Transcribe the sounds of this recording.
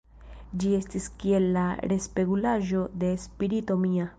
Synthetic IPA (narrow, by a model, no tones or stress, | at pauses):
d͡ʒie̞stiskie̞lːaɾe̞spe̞ɡulaʒo̞d̪e̞spiɾito̞mia